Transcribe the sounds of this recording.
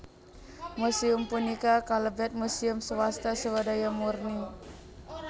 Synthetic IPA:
musiumpunikakaləbɛt̪̚musiumsəwast̪asəwadajamurni

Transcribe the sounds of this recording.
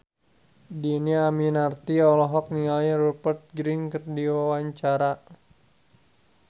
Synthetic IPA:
diniaminart̪iɔlɔɦɔk̚niŋaliɾupərt̪̚ɡɾinkərdiwawaɲt͡ʃaɾa

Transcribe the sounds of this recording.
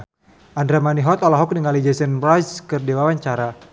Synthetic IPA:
ʔandɾamaniɦɔt̪ɔlɔɦɔk̚dəŋalid͡ʒɛsənbɾaskərdewawaɲt͡ʃaɾa

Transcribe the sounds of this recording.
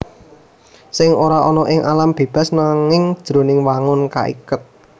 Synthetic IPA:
sɪŋoɾaʔɔnɔʔɪŋʔalamb̥e̤b̥a̤snaŋɪŋd̥ʒ̥ɾonɪŋwaŋʊnka̰ʔḭkət̪̚

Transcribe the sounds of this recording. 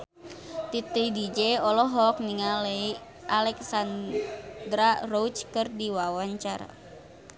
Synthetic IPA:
t̪it̪idid͡ʒeɔlɔɦɔk̚niŋalei | ʔalɛksand̪ɾarout͡ʃkɨrdiwawaɲt͡ʃaɾa̰

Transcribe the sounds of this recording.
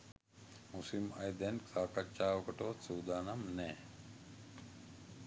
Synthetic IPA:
musimɐ̰jd̪enksaːkɐt͡ɕaːwkɐʈoːt͡suːd̪aːnɐmneː

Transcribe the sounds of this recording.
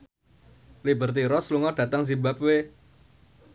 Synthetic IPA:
libərt̪iɾɔsluŋɔɖ̥ä̤t̪əŋs̬ibap̚we

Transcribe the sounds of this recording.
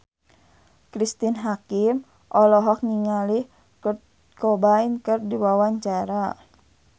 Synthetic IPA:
kɾist̪inɦakim | ʔɔlɔɦɔk̚ŋiŋalih | kɔbainkɨrdiwawaɲt͡ʃaɾa

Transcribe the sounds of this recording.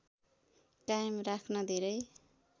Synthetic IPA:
kajmrakʰnʌd̪ʱeɾʌj

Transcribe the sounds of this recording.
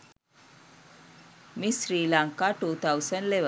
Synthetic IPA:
misɾiːlãŋkaʈuːt̪ʰawsəɳɖleʋə

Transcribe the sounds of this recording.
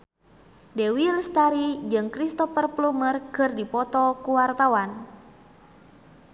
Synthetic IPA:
dewilst̪aɾid͡ʒɨŋkɾist̪ɔfərplumərkɨrdipɔt̪ɔkuwart̪awan

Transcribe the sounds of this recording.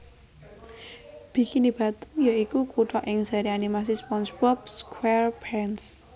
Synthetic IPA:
b̥i̤kinib̥ä̤t̪ə̥njaikukuʈɔʔɪŋz̥aɾianimas̬ispɔnsbɔp̚skwɛrpɛns

